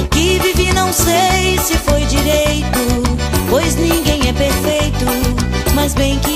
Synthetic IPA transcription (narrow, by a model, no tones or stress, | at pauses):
kɪvivinɐ̃w̃sejsɪfojd͡ʒiɾejt̪ʊ | pojznĩɡẽj̃ɛpeɾfejt̪ʊ | mɐzbẽj̃kɪ